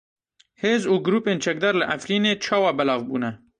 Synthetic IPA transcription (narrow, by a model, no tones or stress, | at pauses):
heːzuːɡʊɾuːpeːnt͡ʃʰɛk̚d̪ɑːɾlɨʔæfɾiːneːt͡ʃʰɑːwɑːbɛlɑːvbuːnɛ